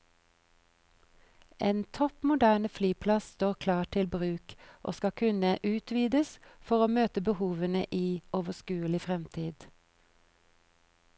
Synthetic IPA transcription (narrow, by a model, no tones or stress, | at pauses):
eːnt̪ʰɔpmʊd̪æːnəflyːpʰlɑsst̪oːʁkʰlɑːʈʰɪlbʁʉːkʔo̰ːskɑkʰʉnəʔʉːt̪ʰʋiːd̪əsfɔʁoːmøːt̪əbəhuːʋənəʔiːʔoːʋəskʉːəlɪfʁɛmt̪ʰiːd̪̥